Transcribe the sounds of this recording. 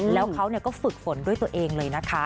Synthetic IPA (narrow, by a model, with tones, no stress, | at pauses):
lɛː˦˥wkʰa˦˥wni˥˩ɐkɔː˥˩fɯ˨˩k̚fo˩˦ndu˥˩əjt̪u˧əʔeː˧ŋlɤː˧jna˦˥kʰa˦˥